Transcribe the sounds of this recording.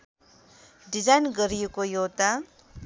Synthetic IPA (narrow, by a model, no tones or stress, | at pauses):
ɖizajnɡəɾijukojoːt̪a